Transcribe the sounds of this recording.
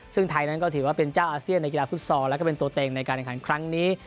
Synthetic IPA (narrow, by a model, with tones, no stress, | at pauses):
sɯ˥˩ŋt̪ʰa˧jna˦˥nkɔː˥˩t̪ʰɯː˩˦waː˥˩pe˧nt͡ɕaː˥˩wʔaː˧si˥˩ənː˧jki˧laː˧pʰuː˦˥˩t̪̚sɔː˧ŋlɛ˦˥kɔ˥˩pe˧nt̪u˧ɐt̪ɛː˧˩ŋna˧jkaː˧nʔɛ˨˩kʰaː˩˦kʰɾa˦˥ŋniː˦˥